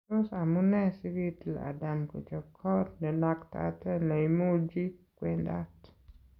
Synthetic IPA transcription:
o˦sa˨mu˦nɛ˦si˦ɡi˦tla̰˨da˨mko̰˨t͡ʃɔ˨kʰɔ˦tnɛ˨na˦kta̰˦tɛ˦na˨i˨mo˦d͡ʒi˦kwe˦nda˦t

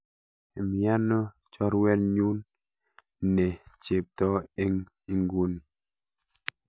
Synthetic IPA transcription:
mi˨a˦nɔ˦ | t͡ʃɔ˦ɾwɛ˦lɲu˦nː | ɛ˨t͡ʃe˨p̚tɔ˦e˦ŋ | i˦ŋɡu˦ni˨

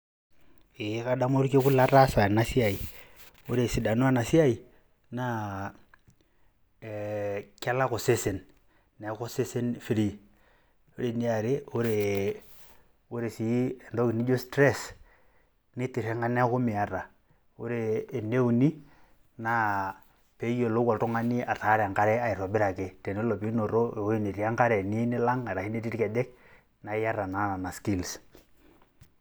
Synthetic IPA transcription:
e˨˦ka˦da˦mo˦ɾke˦ku˦la˦ɾa˦sa˨na˦si˦a˨i˨ | o˦ɾe˨si˨da˨nwa˦na˨si˦a˦˨i˨ | na˦˨ | kʲa˦la˦ko˨se˦se˨nː | e˨˦ko˦se˦se˦nfi˦li˦˨ | o˦ɾe˨ni˦a˨ɾe˦o˦ɾe˨ | u˦ɾe˨si˨˦e˨ndo˦ki˨ni˦d͡ʒo˦stɾe˦˨s | nɪ˦tɪ˨ɾɛ˦ŋɡa˦n˦kʊ˦mɪ˨a˦ɾa˨ | ʊ˦ɾeː˨ne˦u˨ni˦ | na˦ | pe˨˦jo˨lo˦kɔ˨ltʊ˦ŋa˦nɪ˦ʔa˨ta˨˦ɾɛ˨a˨ŋka˦ɾɛ˦a˦˨ɪ˨ɾɔ˨bɪ˦ɾa˨ke˦tɛ˨nɛ˦lɔ˨pi˦no˨ɾo˦˨o˦i˦ni˨ɾa˦ŋka˦ɾɛ˨ni˦nɪ˦la˦ŋa˨ɾa˨i˦ni˦ɾi˦ɾkɛ˨dɛ˦k̚ | na˨˦ja˦ɾa˨na˨˦na˨na˨ski˦˨ls

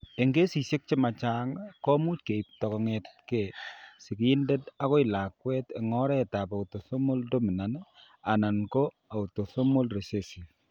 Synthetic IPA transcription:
e˨ŋɡe˦si˨sje˦k̚t͡ʃe˦ma˨t͡ʃa˦ŋkɔ˦mu˦t̚ke˨i˨p̚tɔ˨kɔ˨ŋɛt̚ke˨si˨kiː˦nde˦ta˦ko˦i˨la˨kwɛ˦te˨ŋɔ˦ɾɛ˦ta˨pa˨uto˨so˦mo˦ldo˦mi˨na˨n | a˨na˨nko˦ | a˨u˨to˨so˦mo˦lre˨se˦si˨

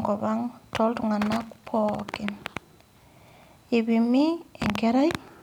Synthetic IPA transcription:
kɔ˨βa˦ŋtʰɔ˦ltuŋa˨nakupʰɔki˨n | e˨βimi˦ɛŋkɛ˦ɾa˦i

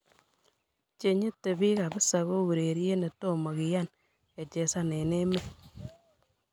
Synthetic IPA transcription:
t͡ʃe˨ɲe˦tːe˨bi˦ka˨bɪ˦sa˨ɣo˦ɣu˨ɾe˨ɾje˦ne˨to˦mo˨ki˨ja˦˨n | e˨t͡ʃe˨sa˦ne˨ne˦me˦

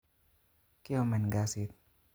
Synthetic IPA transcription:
ki˦o˨mɛ˨nɡasit̪̚

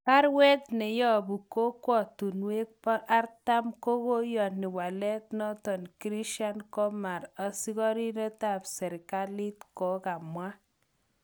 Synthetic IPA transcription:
pa˦ɾwɛ˦t̪nɛ˨jɔ˦˨bu˨ko˦kwɔ˨tu˨nwe˦k̚pɔ˦ʔa˦rta˦mko˦ko˦jɔ˨ni˨wa˨lɛ˦t̚nɔ˦tɔ˨nkɾi˦ʃa˦nkɔ˦ma˨ɾɔ˨si˦kɔ˦ɾi˦ne˦ta˨psɛ˨ɾka˦li˦tkɔ˨ka˨mwa˦

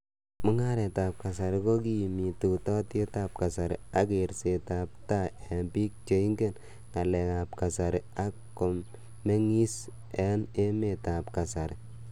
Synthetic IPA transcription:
mʊ˦ŋa˦ɾɛ˨ta˨p̚ka˨sa˨ɾɪ˨ko˦ki˦˨mi˨tu˨tɔ˦te˦ta˦˨p̚ka˨sa˨ɾɪ̰˨a˦ke˨ɾse˨ta˨p̚ta˦ɛ˨mbi˦k̚t͡ʃe˨˦i˦ŋɡe˦˨n | ŋa˨lɛ˨ka˨p̚ka˨sa˨ɾɪ˨a˦kː | o˨mː | e˦ŋi˦s | ɛ˨˦ne˦me˨ta˨pka˨sa˨ɾɪ˨

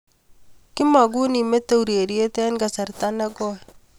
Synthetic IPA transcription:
kɪ˦ma˨ɡ̬u˦ni˨me˦t̪e˦˨u˨ɾe˨ɾi˦e˦t̪ɛ˦nɡa˨sa˨ɾt̪a˦na˦ɡɔ˦

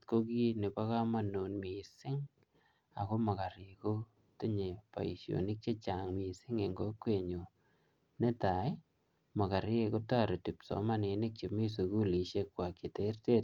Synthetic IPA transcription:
koki˦ne˨pa˦ka˦ma˦nu˨nmi˨sɪ˦ŋ | a˨ko˦ma˨ka˨ɾeko˦ | te˦ɲe˨pa̰˨i˨ʃjo̰˨ni˦k̚t͡ʃe˦t͡ʃaŋmi˨sɪ˦ŋe˨ŋɡo˦kwe˨ɲo˨ | ne˦ta˨j | ma˨ka˨ɾje˦ko˦ta˦˨ɾe˨ti˨psɔ̰˨ma˦ne˨ne˦k̚t͡ʃemi˦s̬u˨ku˦li˨ʃe˦kwa˨ke˨te˦rte˦t

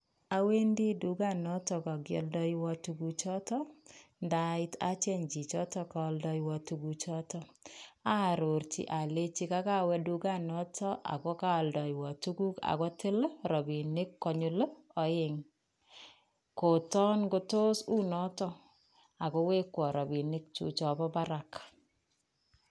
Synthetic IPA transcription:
a˦we˦ndi˦du˨˦ɡa˦˨nɔ˦tɔ˨ka˨ɡjɔ̰˨ldɔ˦jiwɔ˦tu˦ɡu˦t͡ʃɔ˦tɔ˦nda˦ɪ˦ta̰˦t͡ʃe˦ɲd͡ʒi˨t͡ʃɔ˦tɔ˦ka˦ldɔ˨jwɔ˨tu˦ɡu˨t͡ʃɔ˦tɔ˦a˦˨ɾo˨ɾt͡ʃḭ˨˦ʔa˨le˦t͡ʃi˦ka˦ka˦wɛ˧du˦ɡa˦nɔ˦tʰɔ˦ʔa̰˨kɔ˦ka˦˨ldɔ˨jwɔ˨tu˦ɡu˦ka̰˨kɔ˦tɪ˦lɾɔ˨bi˨nɪ˦kːɔ˨ɲʊ˨lə˦ɔ˨ɪ˨ŋ | ko˨tɔ˦nko˦to˦su˦nɔ˦tɔ˦ | a˨ko˦we˦kwɔ˨ɾɔ˨bi˨nɪ˦k̚t͡ʃṵ˦t͡ʃɔ˨bɔ˦ba˦ɾa˨k

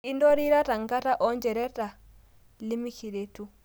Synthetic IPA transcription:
i˦ndɔ˦ɾiɾa˦ta˨ŋɡa˦ta˦ʔɔnd͡ʒɛɾɛta˨ | li˦mi˦ki˨ɾetu

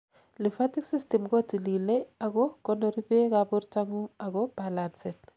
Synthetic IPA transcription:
li˨fa˦ti˦ksi˦stɛ˨mko˦ti˨li˨le˦a˨kɔ˦kɔ˦no˦ɾi˦be˦kabu˦ɾta˦ŋu˦a˨kɔ˦b̥alansɛ˨n

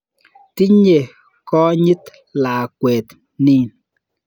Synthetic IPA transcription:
ti˦ɲe˨ | kɔ˦ɲi˦t | laː˨kwɛː˨t | ni˦˨n

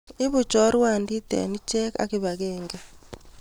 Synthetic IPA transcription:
ɪ˦βʊ˨t͡ʃɔ˦ɾwa˨ndi˦t̪ɛ̰˨ni˦t͡ʃɛ˦ka̰˦kɪ˦βa˨ɣɛŋɡɛ˨

